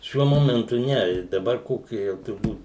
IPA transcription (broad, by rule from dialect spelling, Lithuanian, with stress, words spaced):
ˈʃʲuɔ ˈmoːmʲɛntʊ ˈnʲɛ ˈdɑːbɐr ˈkoːkʲɪ jɛʊ tʊrˈbuːt